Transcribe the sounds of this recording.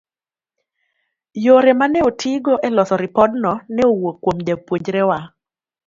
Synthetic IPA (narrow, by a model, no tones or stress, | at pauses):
joɾɛmanɛotʰiɡoʔɛlɔsɔɾɪpɔdnɔnɛowokːwomd͡ʒapwoɲd͡ʒɾewa